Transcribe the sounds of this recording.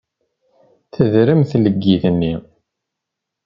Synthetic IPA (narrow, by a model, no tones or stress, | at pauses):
θəðɾəmθləɡːiθənːi